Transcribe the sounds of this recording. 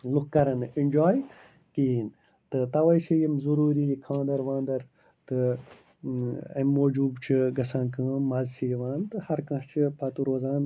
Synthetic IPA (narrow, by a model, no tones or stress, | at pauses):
lukkːɐɾɐninʲd͡ʒaːj | kiːn | t̪ɨt̪ɐʋɐjt͡ʃʰijimzuɾuːɾikʰãːnd̪ɐɾʋãːnd̪ɐɾ | t̪ɨ | ɐ̰mːoːd͡ʒuːbt͡ʃʰiɡɐsãnkʰãːɐzt͡ʃʰijʋaːnt̪ɨhɐɾkɐ̃ʃt͡ʃʰipʰɐt̪uɾoːzaːn